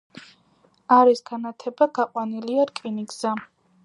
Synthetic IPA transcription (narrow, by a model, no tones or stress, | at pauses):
aɾisɡanat̪ʰɛbaɡ̥aqʼwaniliaɾkʼiniɡza